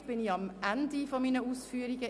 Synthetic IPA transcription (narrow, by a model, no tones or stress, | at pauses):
b̥ɪnjɑmʔænd̪ɪfɔmiːnəʊsfyːɾɪɡə